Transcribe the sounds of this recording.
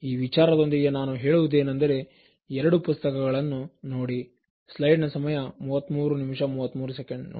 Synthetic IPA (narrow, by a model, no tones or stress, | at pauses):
iːʋit͡ʃaːɾɐd̪o̞nd̪iɡe̞naːnuɦe̞ːɭuʋud̪e̞ːnɐnd̪ɐɾe̞ | ɛɾɐɽupust̪ɐkɐɡɐɭɐnːuno̞ːɽi | slɐjɖnɐsɐmɐjɐmuːʋɐt̪ːmuːɾunimʂɐmuːʋɐt̪ːmuːɾusekeɳɖn